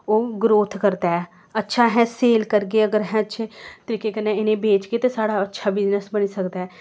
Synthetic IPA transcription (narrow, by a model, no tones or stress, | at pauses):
oːɡɾoːt̪ʰkəɾd̪aːɛː | ətːʃʰaːɦɛ̃ːseːlkəɾɡeːəɡəɾɦɛ̃ːətːʃʰeːt̪əɾiːkeːkənːeːɪnẽːbeːt͡ʃkeːt̪eːsaːɽaːətːʃʰaːbɪznəsbənisəkd̪aːɛː